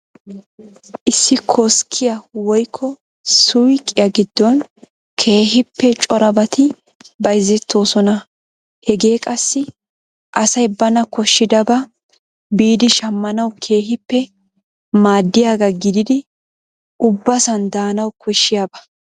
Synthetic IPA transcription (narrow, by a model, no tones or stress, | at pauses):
ʔɪsːɪkʰoskʰːɪjɐwɔjkʰːɔ | sʊjkʼːɪjɐɡɪd̪ːɔn | kʰe̞ːɦɪpːɛt͡ʃʼɔɾɐbɐt̪ʰɪ | bɐjzːɛt̪ːo̞ːsɔnɐ | hɛɡe̞ːkʼɐsːɪ | ʔɐsɐjbɐnɐkɔʃːɪd̪ɐbɐ | biːd̪ɪʃɐmːɐnɐwkʰe̞ːɦɪpːɛ | maːd̪ːɪjaːɡɐɡɪd̪ɪd̪ɪ | ʔʊbːɐsɐnd̪aːnɐwkʰɔʃːɪjaːbɐ